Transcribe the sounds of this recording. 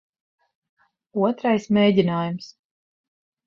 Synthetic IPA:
uɔt̪ɾajsmʲeːɟʲinaːjums

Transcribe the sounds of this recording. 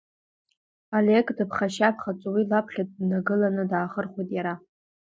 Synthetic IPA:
alekʼdɨpʰχaʃapʰχat͡sʷʼwilapʰχʲat̚ʼdnaɡɨlanɨdaːχərχʷojtʼjaɾa

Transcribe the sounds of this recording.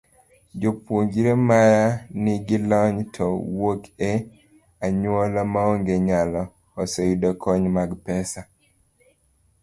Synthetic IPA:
d͡ʒopwoŋɡiɾemajanɪɡilɔɲtʰɔwoke | aɲwɔlamaoŋɡeɲalɔ | ɔsɔidɔkʰɔɲmaɡpɛsa

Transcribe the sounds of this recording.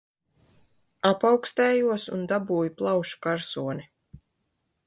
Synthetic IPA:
apawkst̪ɛːjuɔsṵnd̪abuːjuplˠawʃu̥kaɾsuɔni

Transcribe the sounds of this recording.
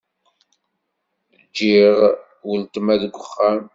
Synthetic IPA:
d͡ʒːiʁ | wəlt̪ˤmæðɡʷəχːæm

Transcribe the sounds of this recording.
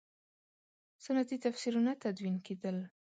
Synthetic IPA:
sanat̪it̪afsiɾunat̪ad̪winked̪əl

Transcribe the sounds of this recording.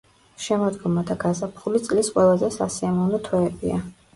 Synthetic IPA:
ʃɛmɔd̪ɡɔmad̪aɡazapʰχulit̪sʼlisqʼwɛlˠazɛsasiamɔvnɔt̪ʰwɛːbia

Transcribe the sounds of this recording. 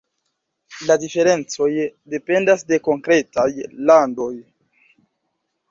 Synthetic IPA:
ladife̞ɾe̞nt͡so̞jde̞pe̞ndasde̞ko̞ŋkɾe̞tajlando̞j

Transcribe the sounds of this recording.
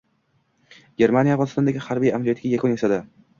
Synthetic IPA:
ɡʲe̞ɾmanijavʁɒzɪst̪ɒnd̪aɡʲɪhaɾbijamlijat̪ɡʲajakʰʊnesad̪ɪ

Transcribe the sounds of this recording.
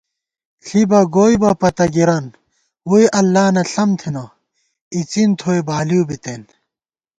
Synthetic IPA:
ɬibɐɡoːibɐpɐt̪ɐɡiɾɐn | uiʔɐlːaːnɐɬɐmt̪ʰinɐ | it͡sint̪ʰoːebaːliubit̪eːn

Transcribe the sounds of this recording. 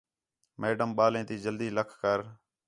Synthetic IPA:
meːɖəmɓaːlẽːt̪iːd͡ʒəld̪iːləkʰkəɾ

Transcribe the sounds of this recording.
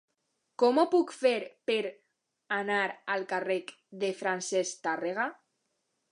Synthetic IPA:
kɔmopukfeɾpeɾ | anaɾalˠkarek | ðefɾansest̪areɣa

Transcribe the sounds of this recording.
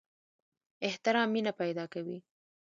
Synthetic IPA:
ɪht̪ɪɾɑmːinapajd̪ɑkawi

